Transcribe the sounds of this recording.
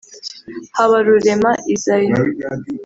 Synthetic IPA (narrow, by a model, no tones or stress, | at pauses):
haβaɾuɾe̞maʔizajo